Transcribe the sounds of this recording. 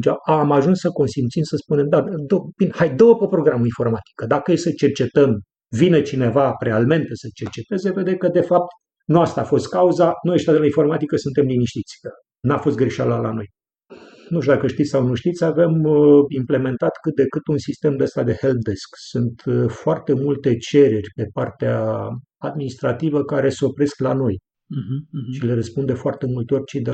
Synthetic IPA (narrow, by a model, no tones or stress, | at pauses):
t͡ʃaaːmaʒunssəko̞nsint̪sinsəspune̞md̪ad̪ob̥inhajd̪owəpəpɾo̞ɡɾamuinfo̞rmat̪i̥kəd̪akəjesət͡ʃe̞rt͡ʃe̞t̪əm | vinet͡ʃine̞vaɾealme̞nt̪esət͡ʃe̞rt͡ʃe̞t̪e̞ze̞ve̞d̪ekəd̪e̞fap̚t̪ | nuast̪aːfo̞st̪̚kauzanujeʃt̪ad̪elainfo̞rmat̪ikəsɨnt̪e̞mliniʃt̪it̪sʲ | nafo̞s̬t̪ɡɾeʃaləlano̞j | nuʃt̪ud̪akəʃt̪it̪ssawnuʃt̪it̪sʲavemimple̞me̞nt̪at̪kɨt̪̚d̪e̞kɨt̪unsist̪e̞md̪eəst̪ad̪e̞helt̪̚d̪e̞sksunt̪foart̪e̞mult̪e̞t͡ʃe̞ɾe̞rʲpe̞part̪ea | ad̪minist̪ɾat̪ivəkaɾe̞so̞pɾe̞sklano̞j | ʃile̞ɾəspund̪efoart̪e̞mult̪eo̞rʲt͡ʃid̪e